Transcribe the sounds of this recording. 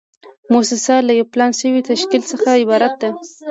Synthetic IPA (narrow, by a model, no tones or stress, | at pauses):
mosɪsɑlajawplɑnʃəwit̪aʃkilsəxaɪbɑɾat̪̚d̪a